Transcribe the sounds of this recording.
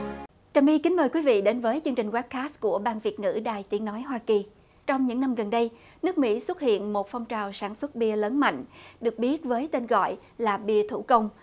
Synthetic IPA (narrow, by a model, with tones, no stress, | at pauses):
t͡ɕaː˨˩mʔi˧ki˨˦ŋ̟məː˨˩jkwi˨˦vḭ˧˨ɗe˨˦nvəː˨˦jt͡ɕɨ˧əŋt͡ɕï˨˩ŋ̟wa˦˥p̚kaː˦˥s̚ku˧˩əɓaː˧nvi˨˩ət̚ŋɨ̰˧˥ɗaː˨˩jt̪i˨˦nɔ˨˦jɦwaː˧ki˨˩ | t͡ɕɔ˧wŋ͡mɲɨ̰˧˥ŋna˧mɣə˨˩nɗə˧j | nɨ˦˥ək̚mḭ˧˥swə˦˥t̚hḭ˧˨ənmo˨˩t̚fa˧wŋ͡mt͡ɕaː˨˩wsaː˧˩nswə˦˥t̚ɓi˧ələː˨˦nma̰˧˨jŋ̟ɗɨ˨˩ək̚ɓi˦˥ət̚vəː˨˦jt̪e˧nɣɔ̰˧˨j | laː˨˩ɓi˧ət̪ʰu˧˩kə˧wŋ͡m